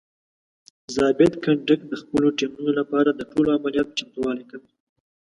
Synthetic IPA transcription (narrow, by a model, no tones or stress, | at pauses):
zɑbɪt̪kaɳɖəkd̪əxpəloʈimunolapɑɾad̪əʈoloamalijɑt̪̚t͡ʃamt̪wɑlejkawi